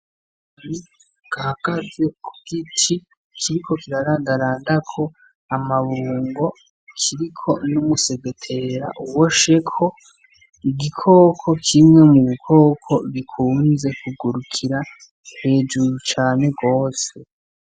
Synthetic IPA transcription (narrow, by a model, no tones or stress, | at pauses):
ni | ɡ̥ahaɡaze̞kʰuɡ̥itʰi | kʰiɾikʰo̞kiɾaɾaːndaɾaːndakʰo̞ | amaβuːŋɡo̞ | kʰiɾikʰo̞numuse̞ɡetʰe̞ɾa̰ʔuwoʃe̞kʰo̞ | iɡikʰo̞ːkʰo̞kʰimŋe̞muβukʰo̞ːkʰo̞βikʰuːnze̞kuɡuɾukʰiɾa | he̞ːd͡ʒuɾut͡ʃaːne̞ɡo̞ːse̞